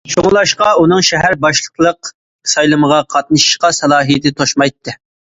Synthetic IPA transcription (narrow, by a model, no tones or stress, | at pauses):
ʃoŋlˠɑʃqɑunɨŋʃɛɦæɾbɑʃlˠəqlˠəq | sɑjlˠɨməʁɑqʰɑt̪̚nɨʃi̥ʃqɑsɑlˠɑːɦijt̪ʰɪt̪ʰoʃmɑjt̪ʰːɨ